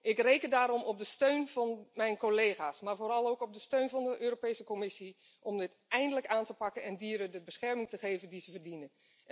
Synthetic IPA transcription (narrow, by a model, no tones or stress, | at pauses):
ʔɪkrejkəndaːɾɔmɔb̚dəstøɥnv̥ɑnmɛjnkolejχaːsmaːɹvoːɾɑlˠowkɔb̚dəstøɥnvɑndəʔøːɾopejsəkɔmɪsi | ʔɔmdɪt | ɛjndələkaːntəpɑkənɛndiːɾədəbəsχɛɹmɪŋtəχejvəndizəvərdinən